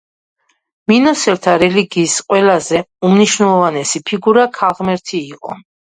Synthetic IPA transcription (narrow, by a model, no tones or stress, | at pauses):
minɔsɛɾt̪ʰaɾɛliɡiːsqʼwɛlazɛumniʃwnɛlˠɔvanɛsipʰiɡuɾakʰalˠʁmɛɾt̪ʰiːqʼɔ̰